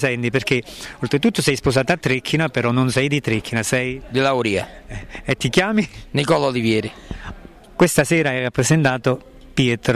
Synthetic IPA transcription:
sɛnt̪iperk̟eolt̪ɾet̪ut̪ːosɛjsposaːt̪at̪ːɾɛkʰːinapeɾɔnːonsɛjd̪it̪ɾekʰːinasɛjd̪ilawɾiːa̰et̪ːikjaːminikɔlaolivjɛːɾi | kwest̪asɛːɾaɛrapːɾesent̪aːt̪o | pjɛːt̪ɾ

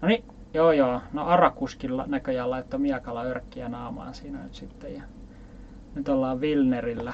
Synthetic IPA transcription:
noni | joːjoːnoʔɑrɑkuskilɑ̰nækøjælɑit̪ːomiɑkɑlɑørkːiænɑːmɑ̰ːnsiːnænyt̪sit̪ːejjɑ | nyt̪olːɑːʋʋilnerilːæ

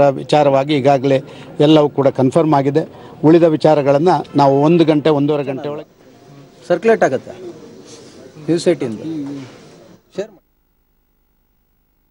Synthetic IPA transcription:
ɐʋḭt͡ʃaːɾɐʋaːɡiːɡaːɡɐle̞ɛlːɐʋukuːɽɐkɐnpʰɐɾmaːɡid̪e̞uɭid̪ɐʋit͡ʃaːɾɐɡɐɭɐnːɐnaːʋuond̪uɡɐɳʈeond̪uʋɔɾɐɡɐɳʈeɔɭɐ | sɐɾkuleʈaːɡɐt̪ːe | njuːsɐʈind̪u | e

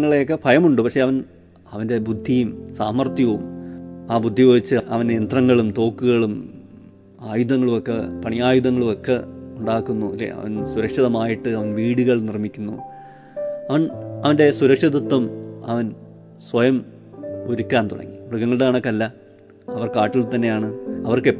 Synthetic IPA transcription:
ŋːɐɭejokːe̞pʰɐjɐmuɳɖɨpɐkʂe̞ɐʋɐn | ɐʋɐnde̞bud̪ʱːijumsaːmɐrt̪jɐʋumaːbud̪ʱːijoːit͡ɕːɨɐʔɐʋɐneent̪rɐŋːɐɭumt̪o̞ːkːuɣɐɭum | aːjuðɐŋːɐɭumokːepɐɳijaːjuðɐŋːɐɭumokːeuɳɖaːkːunːuilːḛɐ̰ʋɐ̰nsuɾɐkʂɐðɐmaːjiʈːɨɐʋɐnʋiːɽuɣɐɭnirmikʲːunːṵ | ɐʋɐnɐʋɐnde̞suɾɐkʂɐðɐt̪ːwɐmɐʋɐn | swɐjɐm | oɾukʲːaːnt̪uɽɐ̰ŋːibruɣɐŋːɐɭɨɽeaːɳokːeɐlːɐ | ɐʋɐrkaːʈːilt̪ɐnːe̞jaːɳɨɐʋɐrke

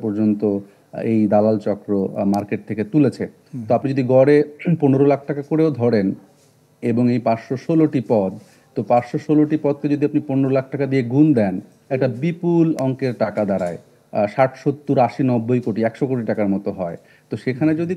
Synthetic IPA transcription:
pɔɾd͡ʑont̪o | ejd̪alalt͡ɕɔkɾomaɾkeʈ̚t̪ʰeket̪ulet͡ɕʰe | t̪oapnid͡ʑod̪iɡɔɾeponeɾolakʰʈakakoɾeod̪ʱɔɽen | eboŋejpaɾʃoʃoloʈipɔd̪̚ | t̪opaɾʃoʃoloʈipɔd̪̚t̪ed͡ʑod̪iapniponeɾolak̚ʰʈakad̪ieɡund̪ɛn | ɛk̚ʈabipulɔŋkeɾʈakad̪aɾae | ʃaʈʃot̪ːuɾaʃinɔbːojkoʈiɛkʃokoʈiʈakaɾmɔt̪oɦɔe | t̪oʃekʰaned͡ʑod̪i

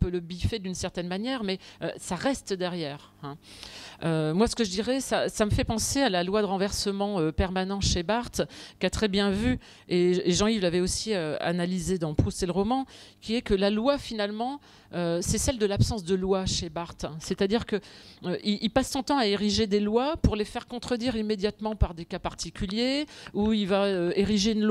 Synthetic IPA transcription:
ɛ̃pøləbifɛd̪ynsɛʁt̪ɛnmanjɛʁmɛø̰saʁɛst̪d̪ɛʁjɛːʁ | ɛ̃ | ømwasə̥kəʒəd̪iʁɛsasaməfɛpɑ̃sealalwad̪əʁɑ̃vɛʁsəmɑ̃øpɛʁmanɑ̃ʃebaʁt̪kʲat̪χɛbjɛ̃vy | eːʒɑ̃ivlavɛosiøa̰nalized̪ɑ̃pχust̪eləʁɔmɑ̃kʲiɛkəlalwafinalmɑ̃ | øsɛsɛld̪əlapsɑ̃sd̪əlwaʃebaʁt̪set̪ad̪iʁkəøʔiʔilpasːɔ̃t̪ɑ̃aeʁiʒed̪elwapuʁlefɛʁkɔ̃t̪χəd̪iʁimed̪jat̪mɑ̃paʁd̪ekapaʁt̪ikʲyljeuilvaøeʁiʒeynl

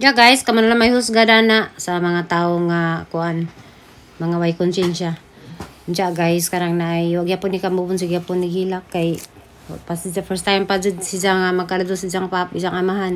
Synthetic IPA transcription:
d͡ʒaʔɡajskamanlaŋmajɦʊsɡad̪anaʔsamaŋat̪aoŋakʊʔan | maŋawajkʊnsɛnʃa | d͡ʒaʔɡajskaɾaŋnaʔajwaʔɡɪhapʊnːikambubʊns̬aɡɪhapʊnːiɡhilakːaj | pasd͡ʒafɛɾst̪ajmpad͡ʒʊd̪sid͡ʒaŋamaɡ̚kalad̪ʊsizaŋpapisaŋamaɦan

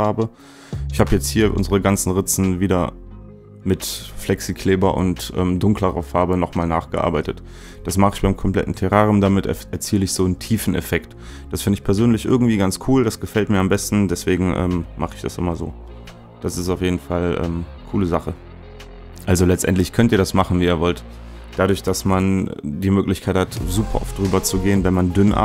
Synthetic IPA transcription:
faɐbə | ʔɪçhaːbəjɛt͡sthiːɐʔʊ̰nzəʁəɡant͡sn̩ʁɪt͡sn̩viːdɐ | mɪtflɛksikʰl̥eːbɐʔʊ̰ntʔɛ̰ːmdʊŋkləʁɐ̰faɐbənɔχmaːlnaːχɡ̥əʔa̰ɐbaɪtət | d̥asmaχəɪçb̥aɪmkʰɔmpl̥ɛ̰tn̩tʰɛʁaːʁmdamɪtɛɐt͡siːləɪçz̥oːntʰiːfn̩ɛ̰fɛkt | d̥asfɪndəɪçpʰɛɐzøːnlɪçʔɪ̰ɐɡŋ̩tv̥iːɡant͡skʰuːldasɡ̥əfɛltmiːɐambɛstn̩dɛsv̥eːɡŋ̩ʔɛ̰ːmmaχəɪçd̥a̰sʔɪ̰mɐzo̰ː | d̥asɪstaʊfjeːdn̩falʔɛ̰ːmkʰuːləzaχə | ʔalzolɛt͡stʔɛ̰ntlɪçkʰœntiːɐɾasmaχn̩viːiːɐvɔlt | d̥adʊɐçd̥asmand̥iːmøːklɪçkʰaɪthatzuːpʰɐ̰ʔɔ̰ftd̥ʁyːbɐt͡suɡeːənvɛnmandʏnʔa̰

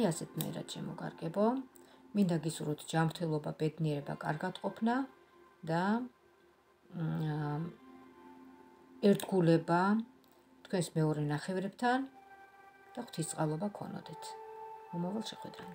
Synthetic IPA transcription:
asɛt̪ʰnaɛ̰ɾa̰d̪̥ʃɛmɔɡʼa̰ɾɡɛbɔmind̪aɡisuɾɔt̪ʰd͡ʒamɾt̪ʰɛlˠɔbabɛd̪niɛɾɛba̰kʼa̰ɾɡat̪qʼɔpʰna | d̪a | ɛɾd̪ɡulɛba | t̪ʰkʰwɛnsmɛɔɾɛnaχɛvɾɛb̚t̪ʰan | d̪̥aχw̥t̪ʰist̪sʼalˠɔbakʰɔ̰nɔ̰d̪ɛt̪ʰmɔmavalˠʃɛχwɛd̪ɾan

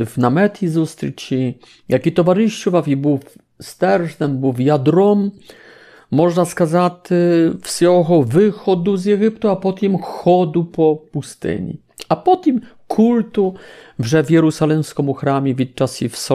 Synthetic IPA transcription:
vnamɛt̪izust̪ɾɨt͡ɕi | jakʲit̪ɔvaʐɨɕt͡ɕuvavʲibuwf | st̪ɛɾʐnɛmbɨwvjad̪ɾɔmː | ɔʐnaskazat̪ɘfsɔɣɔvɘxɔd̪uzjɛɡʲipt̪uapɔt̪ɛmxɔd̪upɔpust̪ɪ̰ɲḭ | apɔt̪im | kʰult̪uʐɛvʲjɛɾusalɛmskɔmuxɾamʲjɛvʲit̪t͡ʂasʲifsɔ

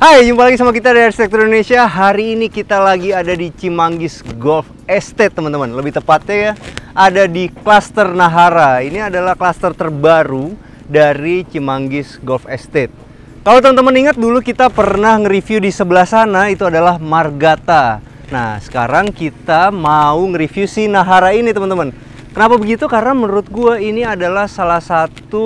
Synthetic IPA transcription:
hajd͡ʒumpalaɡisamakit̪adaaɾist̪ɛk̚t̪ɔɾiinonesiaɦaɾiːnikit̪alaɡiadadit͡ʃimaŋɡɪsɡɔlf | ɛst̪et̪ːəmənt̪əmanləbɪht̪əpat̪̚ɲajaadadiklast̪ərnaɦaɾainiadalahklast̪ərt̪ərbaɾu | daɾit͡ʃimaŋɡɪsɡɔlfɛst̪et̪̚ | kalawt̪əmənt̪əməniŋat̪̚dulukit̪apərnahŋəɾifjudisəbəlahsanait̪uadalahmarɡat̪a | nahsə̥ka̰ɾaŋkit̪amauŋəɾifjusinaɦaɾainit̪əmənt̪əmən | kənapabəɡit̪ukarnamənɾʊt̪̚ɡuainiadalahsalahsat̪u

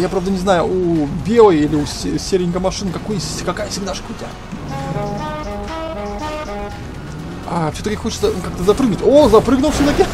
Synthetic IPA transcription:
japɾavd̪ənʲɪznajʊubʲe̞lˠəjilʲɪʊssʲeɾʲɪŋʲkəmɐʂɨnɨkɐkojsʲkɐkajəsʲɪɡʲnaʂkəʊtʲɪa | afsʲot̪əkʲɪxo̞t͡ɕɪt̪səkak̚t̪əzɐpɾɨɡnʊtʲozɐpɾɨɡnʊlˠfsʲot̪əkʲɪ

